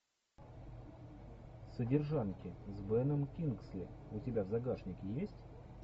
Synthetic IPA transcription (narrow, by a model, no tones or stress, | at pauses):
sədʲɪrʐankʲɪzbɛnəmkʲinksʲlʲɪ̰ʊtʲɪbʲavzɐɡaʂnʲɪkʲɪjesʲtʲ